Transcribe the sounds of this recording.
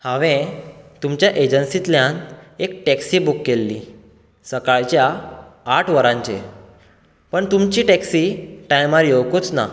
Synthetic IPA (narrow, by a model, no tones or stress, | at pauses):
hãʋẽt̪umt͡ɕjaʔed͡ʑənsit̪ljãnekʈɛksibukːelːḭ | səkaɭt͡ɕjaː | ʈʰʋəɾãɲt͡ɕḛ | pəɳt̪umt͡ɕiːʈɛksiʈajmaɾjoʋkut͡sna